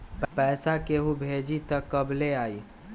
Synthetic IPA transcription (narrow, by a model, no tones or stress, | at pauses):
ppɛːsakeɦubʱeːd͡ʒit̪əkːəbleaːi